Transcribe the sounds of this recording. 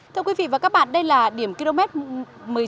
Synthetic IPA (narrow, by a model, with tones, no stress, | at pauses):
t̪ʰɨ˧əkwi˨˦vḭ˧˨vaː˨˩kaː˦˥k̚ɓa̰ː˧˨nɗə˧jlaː˨˩ɗi˧˩əmki˧lo˧mɛ˦˥t̚mɨ˨˩ə